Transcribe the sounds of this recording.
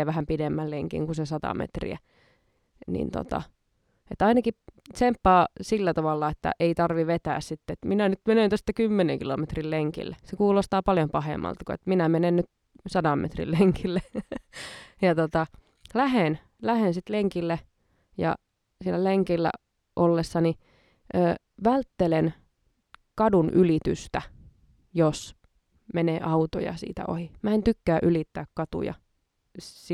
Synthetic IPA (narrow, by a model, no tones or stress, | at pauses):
ʋæhæmpidemːælleŋkḭŋkusesɑt̪ɑ̰mḛt̪rḭæ̰ | nḭnt̪o̰t̪ɑ̰ | et̪ɑinɑki | sempːɑːsilːæt̪ɑʋɑlːɑet̪ːæ̰ʔeit̪ɑrʋiʋet̪æːssit̪ːet̪minænyt̪menent̪ost̪ɑkymːeneŋkilo̰met̪rilleŋkḭlːesekuːlost̪ɑːpɑljompɑhḛmːɑ̰lt̪kuḛt̪minæmenennyt̪ | sɑdɑmmːʔḛt̪rḭlleŋkʰilːe | jɑt̪ot̪ɑ | læɦen | læhensit̪leŋkilːe | jɑ̰ | sielːæleŋkilːæ̰ | ʔolːesːɑni | ʔøː | ʋælt̪ːelen | kɑdunʔylit̪y̰st̪æ | jos | menḛːʔɑut̪o̰jɑ̰sḭːt̪æ̰ʔo̰himæent̪ykːæːʔylit̪ːæːkkɑt̪ṵjɑ̰ | s